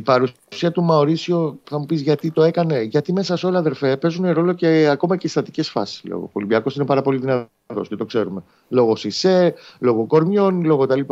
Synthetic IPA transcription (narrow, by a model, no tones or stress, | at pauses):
ipɐɾu | siɐt̪umɐoɾisioθɐmupisʝɐt̪it̪o̞e̞kɐne̞ʝɐt̪ime̞sɐso̞leɐðe̞ɾfe̞pe̞zuneɾo̞lo̞ceɐko̞mɐcest̪ɐt̪i̥ce̞sfɐ̰si̥slo̰ɣo̰ko̞libiɐko̞sinepɐɾɐpo̞liðinɐ | θo̞̰scet̪o̞kse̞ɾume̞ | lo̞ɣo̞sise̞lo̞ɣo̞ko̞ɾmjo̞nlo̞ɣot̪ɐlip